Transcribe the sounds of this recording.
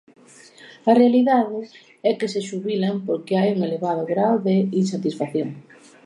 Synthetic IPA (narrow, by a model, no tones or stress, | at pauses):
ɐrealiðaðɪ | ɛkeseʃuβilampoɾkeajuŋeleβaðoɣɾawðeinsat̪isfaθjoŋ